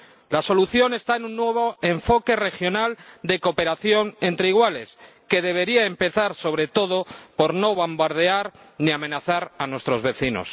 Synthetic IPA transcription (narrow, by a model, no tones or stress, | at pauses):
laso̞luθjo̞ne̞st̪aenũnːwe̞β̞o̞e̞ɱfo̞ke̞re̞xjonald̪e̞ko̞pe̞ɾaθjo̞ne̞nt̪ɾe̞iɣwale̞s | ke̞ðe̞βe̞ɾiaempe̞θaɾso̞β̞ɾe̞t̪o̞ðo̞po̞ɾno̞βambaɾð̞e̞aɾ | niamẽ̞naθaɾanwe̞st̪ɾo̞zβe̞θino̰s